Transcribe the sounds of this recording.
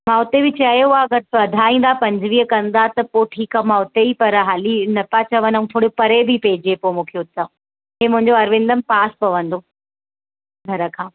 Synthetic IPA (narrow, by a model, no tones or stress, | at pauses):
mãʊt̪ebɪt͡ɕaːjoaɐɡɐɾsʋɐd̪ʱaːĩːn̆d̪apɐ̃ɲd͡ʑʋiːkɐ̃nd̪at̪ɐpoʈʰiːkamãʊt̪eipɐɾɦaːlinɐpat͡ɕɐʋənaũt̪ʰoːɽjopɐɾebʱɪpeɦɪd͡ʑepomũːkʰeʊt̪a | ɦemʊ̃ɦɪ̃ɲd͡ʑoɐɾʋɪ̃nd̪əmpaːspɐʋɐ̃nd̪o | ɡʱɐɾəkʰãː